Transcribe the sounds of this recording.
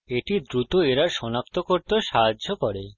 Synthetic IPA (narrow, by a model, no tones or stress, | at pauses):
eʈid̪ɾut̪oeɾaɾʃɔnak̚t̪okoɾt̪eʃaɦadːʱokɔɾe